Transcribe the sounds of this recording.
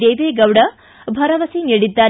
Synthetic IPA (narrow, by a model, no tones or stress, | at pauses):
eːʋeːɡɐwɽɐ | bʱɐɾɐʋɐsiniːɽid̪ːaː